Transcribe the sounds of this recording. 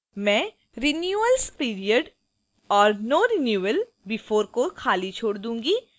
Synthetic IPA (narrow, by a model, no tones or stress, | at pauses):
mɛ̃ː | ɾɪnjuːəlspiːɾiəɖ | ɔːɾnoːɾinjuːʋəl | bɪfoːɾkokʰaːlit͡ʃʰoːɽd̪ũːŋɡi